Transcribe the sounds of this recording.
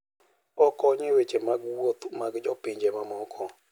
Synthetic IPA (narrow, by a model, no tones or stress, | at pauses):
ɔkɔɲewet͡ʃemaɡwotmaɡd͡ʒɔpɪɲd͡ʒemamɔkʰɔ